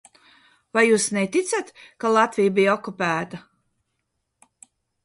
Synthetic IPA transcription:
vajjuːsnet̪it̪sat̪kalˠat̪vijbijɔkupæːt̪a

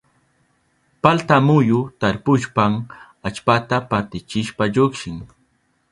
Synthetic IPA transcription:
palt̪amʊjʊt̪aɾpʊʃpam | at͡ʃpat̪apaɾt̪ɪt͡ʃɪʃpaʎokʃɪŋ

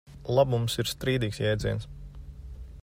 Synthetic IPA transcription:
lˠabumsiɾst̪ɾiːd̪iːksjɛːd̪ziɛns

